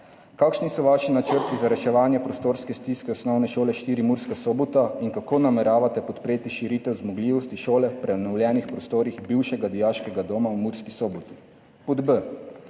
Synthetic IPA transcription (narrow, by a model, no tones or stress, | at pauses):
kaːkʃnisɔʋaʃinat͡ʃəɾt̪izaɾɛʃɛʋaːnjɛpɾɔst̪oːɾskɛst̪iskɛɔsnɔwnɛʃoːlɛʃt̪iːɾimuɾskasɔːbɔt̪aiŋkakoːnamɛɾaːʋat̪ɛpɔt̪pɾeːt̪iʃiɾit̪ɛwzmɔɡliʋɔst̪iʃoːlɛpɾɛnɔwljɛnixpɾɔst̪oːɾixbiwʃɛɡad̪ijaːʃkɛɡad̪omawmuɾskisɔbɔt̪i̥ | pɔd̪bə